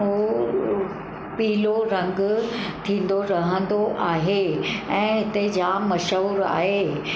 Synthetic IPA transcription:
o | piːloɾɐ̃ŋɡt̪ʰĩːn̆d̪oɾɐɦə̃nd̪oʔaːɦeɛ̃ːɦɪt̪ed͡ʑamɐʃəːɾa̰ːɦe

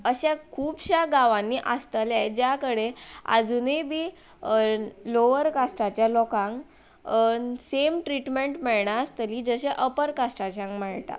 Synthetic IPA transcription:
əɕakʰuːbɕaɡaʋãnːiːʔast̪əlad͡ʑjakəɽea̰d͡zunebiː | loʋəɾkasʈat͡ɕjalɔkãŋk | semʈɾiʈmeɳʈmɛɭɳaːst̪əliːd͡zəɕeʔəpəɾkasʈat͡ɕãŋkməɳʈ̪a̰

